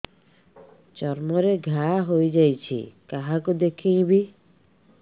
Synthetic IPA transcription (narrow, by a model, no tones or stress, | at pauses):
t͡ʃɔɾmɔɾeɡʱaɦojd͡ʒajt͡ʃʰḭkaɦakud̪ekʰẽj̃bi